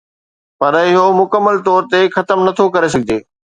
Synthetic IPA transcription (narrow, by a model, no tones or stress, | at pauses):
pɐɾɪɦomʊkəmːəlt̪ɔːɾt̪exɐt̪əmnɐt̪ʰokɐɾes̬ɐɡʱɪd̪eː